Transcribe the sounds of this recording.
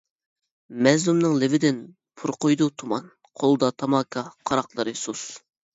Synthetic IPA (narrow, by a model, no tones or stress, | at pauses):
mɛzlumnɨŋlɪvɪd̪ɪn | pʰuɾqʰojd̪ut̪ʰumɑn | qʰolˠd̪ɑt̪ʰɑmɑːkʰɑqʰɑɾɑqlˠɨɾɨsus